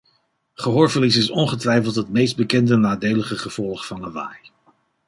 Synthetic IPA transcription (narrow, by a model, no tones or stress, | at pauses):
χəɦoːɹvəlis̬ɪsɔnχətʋɛjfəlˠtɦətmejsd̚bəkɛndənaːdejləχəχəv̥ɔlˠχfɑnəʋa̰ːj